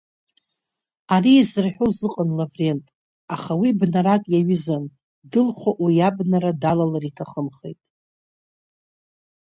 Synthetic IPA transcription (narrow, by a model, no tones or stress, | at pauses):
aɾiːzrħᶣozɨqʼanlavre̞ntʼ | aχawibnaɾatʼjaɥɪzan | dɨlχʷaʔwijabnaɾadalalaritʰaχəmχḛjtʼ